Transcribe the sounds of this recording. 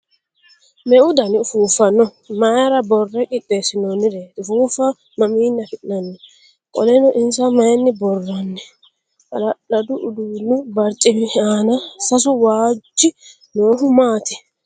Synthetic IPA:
mɛʊd̪ɐnɪʊfuːfɐnːɔ | mɐjɐɾɐbɔrːɛkʼɪtʼːesɪnɔnɪɾeːʊfuːfɐ | mɐmiːnːɐfɪnɐnːɛ | kʼɔlɛnɔʔɪnsɐmɐjɛnːɪbɔrːɐnːɛ | ʔɐ̰lɐɗɐd̪ʊʔʊd̪uːnʊbɐɾt̪ʼːɪmɪhɛʔaːnɐsɐs̬ʊwaːd͡ʒːɪ | noːɦʊmaːt̪ɛ̥

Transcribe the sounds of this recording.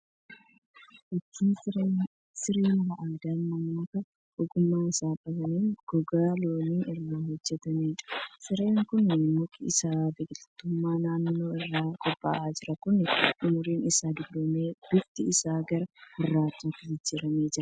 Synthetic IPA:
ʔɪt͡ʃːiːn | sɪɾiːnbɐʔaːd̪aːnmɐmːɐkɐ | ʔɔɡʊmːaːɪsaːpʼɐbɐniːnɡ̥ɔɡaːloːniːʔɪrːoːɦɔd͡ʒːɛt̪ɐmeːᶑɐ̥sɪɾe̞ːŋkʊnmʊkʼɪɪsaːbeːkʼɪt̪t̪ːʊmːaːnaːnːo̞ːɪrːaːkʼɔpʼːa̰ːʔaːd͡ʒɪɾɐkʊnɪʔʊmʊɾiːnɪsaːd̪ɪɡlomeːd̪̥ʊt̪ɪɪsaːɡɐɾɐhɪrːaːt̪uːt̪ːɪɡɪd͡ʒːɪɾɐmeːd͡ʒɪɾɐ

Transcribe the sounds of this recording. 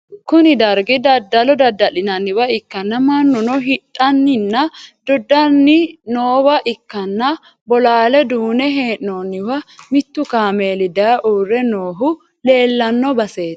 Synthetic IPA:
kʊnɪd̪ɐɾɡɪd̪ɐd̪ːɐlɔd̪ɐd̪ːɐlɪnɐnːɪwɐɪkːɐnːɐmɐnːɔnɔɦɪᶑʼːɐnːɪnːɐd̪̥ɔd̪ːɐnːɪnoːwɐʔɪkːɐnːɐ | bɔlaːlɛd̪uːnɛɦeːʔonːɪwɐmɪt̪ːʊkaːmeːlɪd̪ɐʔuːrːɛnoːɦʊ | le̞ːlːɐnːɔbɐseːt̪

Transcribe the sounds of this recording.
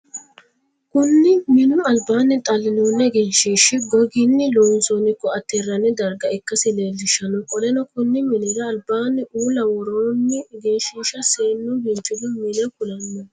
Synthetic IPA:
kʊnːɪmɪnʊɐlbaːnɪt̪ʼɐlːɪnuːnːɛɡeːʃiːʃɪɡɔɡɪnːɪlɔːnsɔnɪkːɔɐt̪ːɛrːɐnɛd̪ɐɾɡɐɪkːɐsɪlezɪʃːɐnɔkʼɔlɛnɐkʊnːɪmɪnɛɡɐːlbaːnɪʔuːlɐwɔɾoːnːɪɡeːʃiːʃɐseːnːʊbɪnt͡ʃʼːʊd̪ɪmɪnɛkʊlɐnːɐ

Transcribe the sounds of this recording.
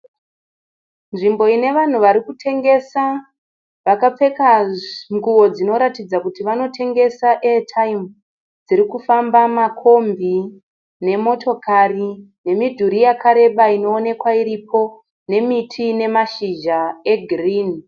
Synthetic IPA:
nʐimbo̞ine̞ʋan̤uʋaɾikutʰe̞ŋɡe̞sa | ʋakap͡fe̞kaŋɡuwo̞d͡zino̞ɾatid͡zakutiʋano̞tʰe̞ŋɡe̞saʔetʰaimu | d͡ziɾikufambamakʰo̞mbi | ne̞mo̞tʰo̞kʰari | ne̞midʱuɾijakʰaɾe̞ɓaino̞ːne̞kwaiɾipʰo̞ | ne̞mitʰine̞maʃiʒae̞ɡʱriːn

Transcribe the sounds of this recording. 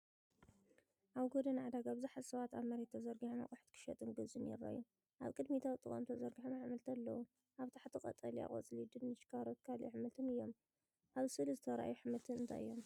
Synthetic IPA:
ʔaβɡod̪ɐnʕad̪aɡabɨzɨħazsɐβat̪aβmɐɾet̪ʰːɐzɐɾɡiħoma̰χʼuħt̪kʰɨ̥ʃɐt̪ʼɨnɡɨzʼɨnjɛ̰ɾːa̰ju | ʔa̰βkʼɨd̪mit̪ʰawt̪ʼɨkʼo̰mt̪ʰɐzɐɾɡiħomaʕmɐlt̪ʰɐlːɐ̰wu | ʔaβt̪ʰaħt̪ʰɨkʼɐ̰t̪ʼɐlia̰χʼo̰t͡sʼlid̪ɨnːɨt͡ʃkʰaɾot̪kʰalħɨmɨt̪ʰɨnɨjːom | ʔaβsɨlizɨt̪ʰɐɾa̰juħɨmɨlt̪ʰɨnɨnt̪ʰa̰jɨ̰jːom

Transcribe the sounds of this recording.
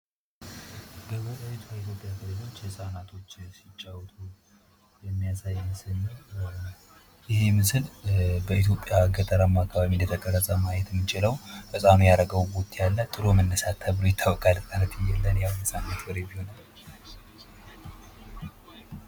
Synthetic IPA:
bəbot̪ʼaβet̪ʰuait̪ʰjo̞pʼjaɡɨɾezo̞t͡ʃːjɨsʼanat̪ʰo̞t͡ʃːsɪt͡ʃʼːawt̪ʰʼu | jɛmːijasajmɨsɨlː | jɪhemɨsɨlbəit̪̬ʰjo̞pʼːjaɡət̪ʼəɾamːakʰːaβaβind̪ət̪ʰəkʼərːəsʼəmajɛt̪mːit͡ʃʼɪləwfɨsʼanujaɾəɡəwbot̪ʼjalːat̪ʼɨɾomənːəsat̪ʰːəβlojɛt̪ʰːəwəkʼalɨt̪ʼanət̪ʰɨjːɛlːənjawnɨsʼanat̪wɔɾebiho̞nal

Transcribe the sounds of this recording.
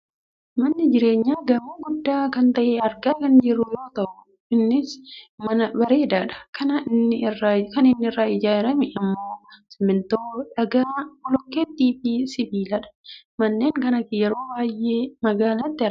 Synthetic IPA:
mɐnːɪd͡ʒɪɾe̞ːɲːaːɡɐmuːɡʊd̪ːaːkɐnt̪ɐʔeːɐɾɡaːkɐnd͡ʒɪɾʊjo̞ːt̪ɐʔʊ | ɪnːɪsmɐnɐbɐɾe̞ːd̪aːᶑɐ̥kɐnɐɪnːɪrːakɐnɪnːɪɪrːaːɪd͡ʒaːɾɐmɪɪmːo̞ːsɛmɪnt̪o̞ːᶑɐɡaːɔlɔkːeːt̪ːiːfisɪbiːlɐᶑɐ̥ | mɐnːeːŋkɐnɐkɪjɛɾo̞ːbaːjʔeːmɐɡaːlat̪ːɪɪɾ

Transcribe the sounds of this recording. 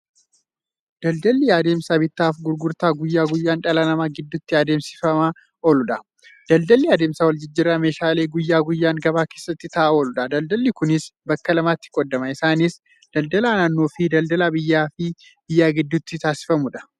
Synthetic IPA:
d̪̥ɐld̪ɐlːɪjaːd̪e̞ːmsaːbɪt̪ːaːfɡʊɾɡʊɾt̪aːɡʊjːaːɡʊjːaːnᶑɐlɐnɐmaːɡɪd̪ːʊt̪ːɪaːd̪e̞ːmsɪ̥fɐmɐ | ʔolʊᶑɐ | d̪̥ɐld̪ɐlːɪaːd̪e̞ːmsaːwɔld͡ʒɪd͡ʒːɪɾːɐme̞ːʃaːle̞ːɡʊjːaːɡʊjːaːŋɡɐbaːke̞ːsːɐt̪ːɪt̪ɐʔaolʊᶑɐd̪ɐld̪ɐlːɪkʊnɪsbɐkːɐlɐmaːt̪ːɪ̥kʼɔd̪ːɐmɐɪsaːnis | d̪̥ɐld̪ɐlaːnaːnːo̞ːfɪd̪ɐld̪ɐlaːbɪjːaːfɪ | b̥ɪjːaːɡɪd̪ːʊt̪ːɪt̪aːsɪ̥fɐmʊᶑɐ̥

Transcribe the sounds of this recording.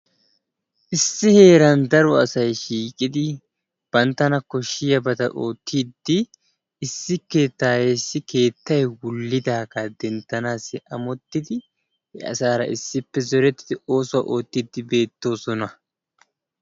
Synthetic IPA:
ʔɪsːɪhe̞ːɾɐnd̪ɐɾɔɐsɐjʃiːkʼɪd̪ɪ | b̥ɐnt̪ːɐnɐkːɔʃɪjɐbɐt̪ɐʔoːt̪ʰːid̪ːɪ | ɪsːɪkːe̞ːt̪ːaːjeːsːɪke̞ːt̪ːɐjwʊlːɪd̪aːkɐd̪ɛnt̪ːɐnaːsɪɐmɔt̪ːɪd̪ɪ | hɛ̰ɐ̰saːɾɐ̰ʔɪsːɪpːɛzɔɾɛt̪ːɪ̥d̪ɪo̞ːsʊaʔo̞ːt̪ːɪd̪ːɪbe̞ːt̪ːo̞ːsɔnɐ

